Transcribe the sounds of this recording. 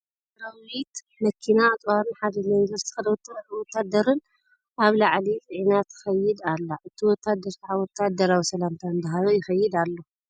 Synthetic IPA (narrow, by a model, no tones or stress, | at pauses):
ɾawit̪ | mɐkʰinat̪ʼwaɾɨnħad̪ilinɐɾst̪ʰi̥xɐwɔt̪ʰːad̪ɐɾɨn | ʔaβlaʕlit͡s̪ʼɨʕinat̪ɪxɐjːɪd̪alːaʔɨt̪ʰiwɔt̪ʰːad̪ɐɾsħawɔt̪ʰːad̪ɐɾawisɐlamt̪ʰaɨnd̪aɦajojɪxɐjːɪd̪alːo